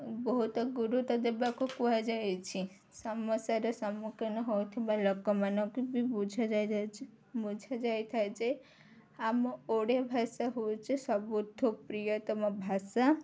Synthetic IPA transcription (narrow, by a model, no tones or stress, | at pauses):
bɔɦut̪ɡuɾut̪ɔd̪ebakʰokuad͡ʒajt͡ʃʰi | səməsaɾesəmukənɔɦojt̪ʰebalɔkɔmanɔ̃kibibud͡ʒʱad͡ʒaj̪t͡ʃʰe | bud͡ʒʱad͡ʒajt̪ʰajt͡ʃʰe | amɔ̃oɽebʱasaɦot͡ʃʰesəbud̪ʱok̚pɾijɔt̪ɔmãbʱasa